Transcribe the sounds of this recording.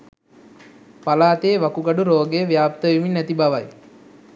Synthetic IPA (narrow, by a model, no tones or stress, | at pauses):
palaːt̪eːʋakuɡaɖuɾoːɡejəʋjaːp̚t̪əʋiminːæt̪ibaʋaj